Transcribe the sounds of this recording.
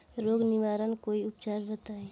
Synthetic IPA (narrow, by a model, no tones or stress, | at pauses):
ɾoːɡniʋaːɾənkoːiʊpt͡ʃaːɾbət̪aːe